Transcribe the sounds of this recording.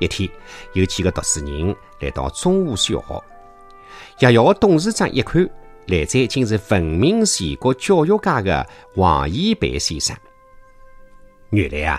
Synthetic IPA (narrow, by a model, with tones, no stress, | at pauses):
ɛ˥˧˩t̪ʰi˧jə˧t͡ɕʰi˧ɡə˧t̪ɔ˨˩sɹ̩˧˩ɲi˧˦ŋ | lɛ̰˨˩t̪ɔ̰˧t͡sʊ˥ŋu˥˧sjɔ̰˨˩˦ | ja˧˩jɔ˧˦t̪ʊ˥˧ŋz̩˥˧t͡sa̰˥˧ʔɛ̰˥˧kʰø˥ | lɛ˨˩t͡se˥˧t͡ɕʰi˥˧ŋt͡sɨ˧fə˨˩ŋmi˧˥ŋsi˨˩kɔ˥˧t͡ɕjɔ˥˧jo˥˧ka˥˧ɡə̰˧wɑ̰̃˨˩ji˥pḛ˧˦si˧sã̰˥˩n | ɲy˨˩lɛ̰˧a̰˧˩